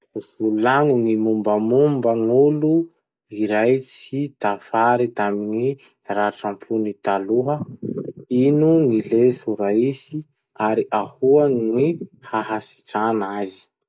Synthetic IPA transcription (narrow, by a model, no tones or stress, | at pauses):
v̥ulaŋunimumbəmumbəŋulu | iɾajt͡sit̪afaɾit̪amini | raʈ͡ʂampʰunit̪aluɦə | inunilesuɾaisi | aɾiʔahuənihaɦasi̥ʈ͡ʂanazi̥